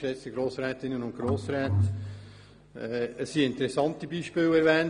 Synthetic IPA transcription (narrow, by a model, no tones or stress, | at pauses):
ʃɛt͡səɡɾoːsɾɛːtɪnənʊnt̚ɡ̥ɾoːsɾɛːt | əsːiɪntəɾɛsɑntibiːʃpɪːlɛɾvɛːn